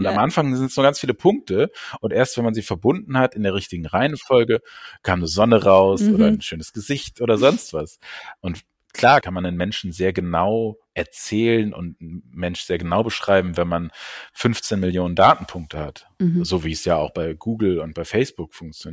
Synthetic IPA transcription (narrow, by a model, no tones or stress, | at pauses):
ʔʊntamʔanfaŋzɪntəsnuɐɡant͡sfiːləpʰʊŋk̚təʔʊntʔeːɐstv̥ɛnmanziːfɛɐbʊndn̩hatɪndeːɐʁ̞ɪçtɪɡŋ̩ʁaɪənfɔlɡəkʰaːmnuːz̥ɔnəʁaʊsʔoːɾɐn̩ʃøːnəsɡ̥əzɪçtʔoːɾɐzɔnstv̥asʔʊnt | kʰl̥aːɐkʰanmanənmɛnʃn̩zeːɐɡənaʊʔɛɐt͡sɛːlənʔʊ̰ntmɛnʃz̥eːɐɡənaʊbəʃʁ̥aɪbm̩vɛnmanfʏnft͡seːnmɪljoːnəndaːtn̩pʰʊŋk̚tʰəhat | z̥oːviːsjaːaʊxb̥aɪɡ̥uːɡl̩ʊnt̚b̥aɪfɛɪsb̥ʊkfʊŋkt͡sjon